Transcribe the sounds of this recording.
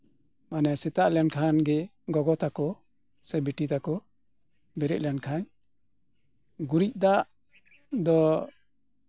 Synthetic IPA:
manɛsɛt̪aʔlɛnkʰanɡɛ | ɡɔɡɔt̪akɔ | sɛbiʈit̪akɔ | bɛɾɛʔ̚lɛnkʰaɲ | ɡuɾic̚ˀd̪aʔ | d̪ɔ

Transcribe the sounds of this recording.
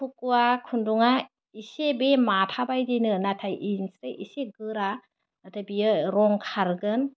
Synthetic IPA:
pʰukuakʰunduŋa | isebematʰabajdinɯnatʰajʔinsɾajʔiseɡɯɾa | natʰajbijɯɾɔŋkʰaɾɡɯn

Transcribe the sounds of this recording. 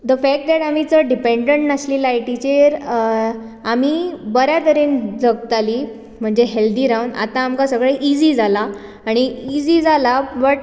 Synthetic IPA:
d̪əfɛk̚ʈ̚d̪ɛʈamit͡səɖipeɳɖəɳʈnaslilajʈit͡ɕeɾ | amiːbəɾjat̪əɾend͡zəɡ̚t̪aliː | m̤əɳd͡zeɦeld̪iːɾauna̰t̪aːmkasəɡɭeʔid͡ʑiːd͡zalaː | ɽ̃iid͡ziːd͡zalabəʈ̚

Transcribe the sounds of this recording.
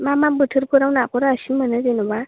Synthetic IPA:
mamambɯʈʰɯɾpʰɯɾawnakoɾaasimənəzenɔba

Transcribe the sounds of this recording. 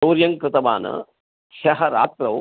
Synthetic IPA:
oːɾjɐŋkɾɨt̪ɐʋa̰ːnɐ̰ | kʃɐɦɐɾa̰ːt̪ɾɐʋ

